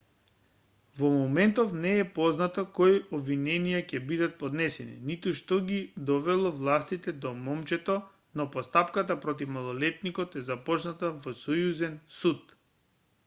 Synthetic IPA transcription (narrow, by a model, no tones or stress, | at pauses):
vɔmɔmɛnt̪ɔfnɛːpɔznat̪ɔkɔjɔbvinɛnijacɛbid̪at̪̚pɔd̪nɛsɛnḭnit̪uʃt̪ɔɡid̪ɔvɛlˠɔvlˠast̪it̪ɛd̪ɔmɔmt͡ʃɛt̪ɔ | nɔpɔst̪apkat̪apɾɔt̪̬ifmalˠɔlɛt̪̚nikɔt̪ɛzapɔt͡ʃnat̪avɔsɔjuzɛnsut̪